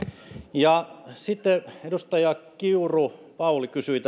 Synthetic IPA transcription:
jɑsit̪ːeedust̪ɑjɑkiurupɑulikysyit̪

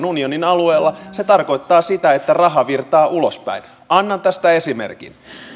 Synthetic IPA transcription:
nunio̞ninɑlue̞ːlːɑset̪ɑrko̞jt̪ːɑːsit̪æe̞t̪ːærɑɦɑʋirt̪ɑːʔulospæ̰in | ʔɑnːɑnt̪æst̪æe̞simḛrkḭn

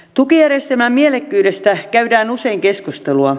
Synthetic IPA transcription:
t̪ukijæɾest̪emæmmielekːyːdest̪ækæydæːnuse̞iŋke̞skust̪eluɑ

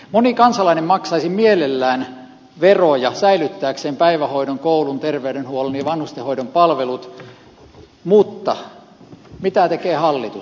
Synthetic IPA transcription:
monikɑnsɑlɑinemmɑksɑisimielelːæːn | ʋerojɑsæilyt̪ːæːkseːmpæiʋæhoidoŋkoulunt̪erʋeydenhuolenjɑʋɑnhust̪ehoidompɑlʋelut̪ | mut̪ːɑ | mit̪æt̪ekeːhɑlːit̪u

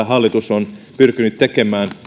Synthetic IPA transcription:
æɦɑlːit̪usonpyrkynyt̪t̪ːekemæːn

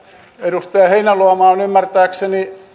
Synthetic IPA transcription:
edust̪ɑɑheinæluɑmɑːnymːært̪æːkseni

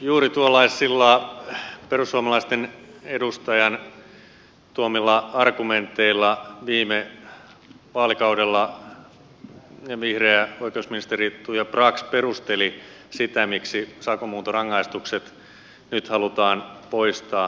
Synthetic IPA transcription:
juːɾit̪uolːɑisːilːɑ | perusːuomɑlɑist̪enedust̪ɑjɑn | t̪uomilːɑɑrkument̪ːeilːɑʋiːme | ʋɑːlikɑudelːɑ | neʋihreæoikeusminist̪erit̪ːuːjɑprɑksperust̪elisit̪æmiksisɑkomuːt̪orɑŋːɑist̪ukset̪ | nyt̪hɑlut̪ɑːnpoist̪ɑː

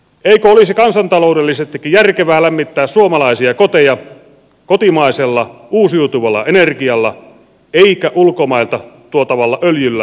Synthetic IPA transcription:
eikøolisikɑnsɑnt̪ɑloˑudelːisest̪ːikːijjærkeʋæːlæmːit̪ːæːssuomɑlɑisiɑkot̪ejɑ | kot̪imɑˑiselːɑuːsiut̪uʋɑlːɑ̰enerkiɑlːɑ̰ | eikæʔulkomɑˑilt̪ɑt̪uot̪ɑʋɑlːɑʔøljylːæ

